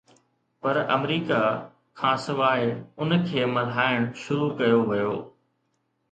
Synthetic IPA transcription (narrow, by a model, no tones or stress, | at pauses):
pɐɾɐ̰mɾiːka | kʰãːsɪʋaːɪʊnkʰeːmɐl̤aːɪɽ̃ʃʊɾukɐjoʋɐjoː